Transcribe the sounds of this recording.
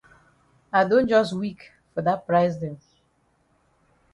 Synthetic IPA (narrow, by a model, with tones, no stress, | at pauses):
a˨ɪdõ˦nd͡ʒɔ˦stwi˦k | fɔ˨ða˦t̚pɹaɪsdɛ̃˨m